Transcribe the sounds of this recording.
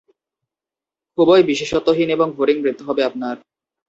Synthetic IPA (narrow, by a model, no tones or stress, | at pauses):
kubɔjbiʃeʃɔt̪ːoɦineboŋbʱoɾiŋmɾit̪ːoɦɔbeap̚naɾ